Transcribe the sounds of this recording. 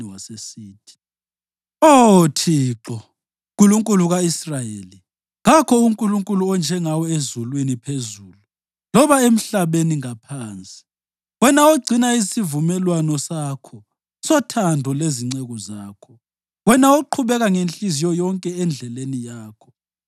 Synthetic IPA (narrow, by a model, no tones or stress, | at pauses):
wasesiːt̚ʰi̥ | otʰiːǁɔ | kʼuluŋkʼuluɣaisrajeli | ɣakʰɔuŋkʼuluŋkʼuluɔnd͡ʒʱɛŋawɔezulwinipʰezuːlu | lɔβaem̩ɬaβeniŋapʰaːnt͡sʼi̥ | ɣwɛnaoɡ͡ǀʱinaizsivumɛlwanɔsakʰɔ | sɔtʰandʱɔleziŋ͡ǀeɣɔzaːkʰɔ | ɣwɛnaoǃʰuβɛɣaŋent͡ɬʼizijɔjɔŋkʼɛɛnd͡ɮʱɛlenijaːkʰɔ̥